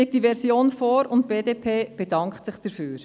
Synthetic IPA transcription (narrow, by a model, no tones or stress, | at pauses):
ik̚td̥iʋɛɾsjoːnfoːɾʊnt̚b̥eːdeːpʰeːb̥ɛdɑŋkχtsɪχd̥əɾfyːɾ